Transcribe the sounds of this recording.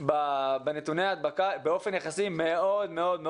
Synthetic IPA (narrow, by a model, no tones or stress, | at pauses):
babenet̪uneaːd̪̚bakabeo̞fe̞njeχasime̞o̞d̪me̞o̞d̪me